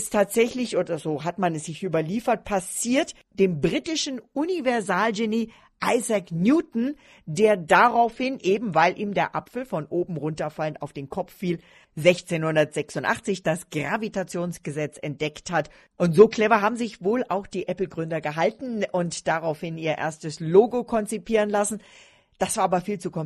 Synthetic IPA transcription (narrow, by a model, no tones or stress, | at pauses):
ɪstʰːaːtz̥ɛçlɪçʔoːdɐzoːɦatmanɛsz̥ɪçʔyːbɐliːfɐt̚pʰasiːɐt | d̥eːmbʁiːtɪʃn̩ʔʊnivɛɐzaːlʒeniː | ʔaɪzaknjuːtn̩ | deːɐdaʁaʊfhɪnʔeːbm̩vaɪlʔḭːmdeːɐʔa̰pfl̩fɔnʔoːbm̩ʁʊntɐfaləna̰ʊfd̥eːnkʰɔp͡fːiːl | zɛçt͡seːnhʊndɐtz̥ɛksʊntʔa̰χt͡sɪçd̥asɡ̥ʁavitat͡sjoːnsɡ̥əzɛt͡sɛnt̚d̥ɛkthat | ʔʊntz̥oːkl̥ɛvɐɦaːbm̩zɪçvoːlʔaʊxd̥iːʔɛpl̩ɡʁʏndɐɡəɦaltn̩ʔʊntd̥aʁaʊfhɪniːɐʔḛːɐstəsloːɡokʰɔnt͡sipʰiːʁ̞ənlasn̩ | d̥asv̥aːɐʔaːbɐfiːlt͡sukʰɔm